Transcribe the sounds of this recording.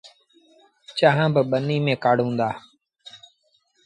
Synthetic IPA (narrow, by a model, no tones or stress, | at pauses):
t͡ʃaːɦãːbɪɓəniːmẽːkaːɽ̤ũːnd̪aː